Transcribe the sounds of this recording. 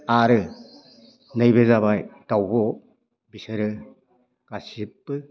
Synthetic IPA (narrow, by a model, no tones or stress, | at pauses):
aɾɯ | nɯjbezaβajd̥awbɔ | bisɯɾɯ | kasipːɯ